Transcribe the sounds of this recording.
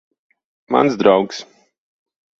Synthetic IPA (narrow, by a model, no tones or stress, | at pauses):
ma̰nszd̪ɾawks